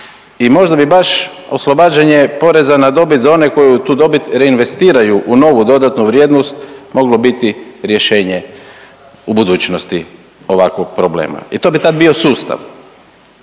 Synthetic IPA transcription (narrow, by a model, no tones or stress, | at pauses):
imo̞ʒd̪abibaʃ | o̞slo̞baːd͡ʒeɲepo̞ɾe̞zanad̪o̞bit̪zao̞ne̞ko̞jut̪uːd̪o̞bit̪ɾe̞inʋe̞st̪iːɾajuʔuno̞ʋud̪o̞d̪at̪nuʋɾjeːd̪nost̪mo̞ɡlo̞bit̪iɾje̞ʃe̞ːɲe | ubud̪uːt͡ɕnost̪i | o̞ʋakʋoɡ̚pɾoblḛːma̰it̪o̞bit̪ad̪bio̞suːst̪a̰ʋ